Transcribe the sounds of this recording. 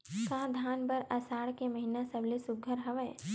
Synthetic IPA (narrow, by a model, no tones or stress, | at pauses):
kãːd̪ʱaːnbɐɾɐsaːɽkemɐɦinasɐblesʊɡʱəɾɦɐʋəe